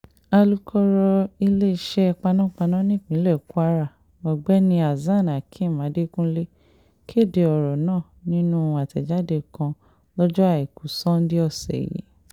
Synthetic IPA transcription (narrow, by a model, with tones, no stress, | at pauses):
a˧lu˦kʰɔ˦ɾɔ˧i˧le˦i˦˨ʃɛ˦˧k͡pa˧nã˦˨k͡pa˧nã˦nĩ˦˨k͡pĩ˨˦lɛ˦˨ku˦a˦ɾa˦˨ | mɔ˨ɡ͡bɛ˨˦nĩ˧˦a˨zã˦˨na˨kʰĩ˦˨mã˨˦de˦kũ˦le˦ | ki˦e˦˨de˧ɔ˨ɾɔ˨nãː˦˨nĩ˦nũ˦˧a˨tɛ˨d͡ʒa˦de˦˨kã˧ | lɔ˦d͡ʒɔ˦a˦˨i˨ku˨˦sɔ̃˦n˦di˦ɔ˦˨sɛ̰˨jḭ˨˦